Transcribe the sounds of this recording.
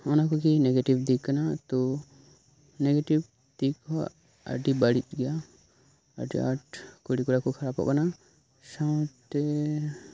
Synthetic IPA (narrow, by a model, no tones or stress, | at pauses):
ɔnakɔkinɛɡeʈibd̪ikːanat̪ɔ | nɛɡeʈib | d̪̥ika | a̰ɾɖibaɽit͡ʃ̚ɡɛja | a̰ɾɖḭa̰ʈkoɽikɔɾakɔkʰaɾabɔ̰ʔkana | sãt̪ɛ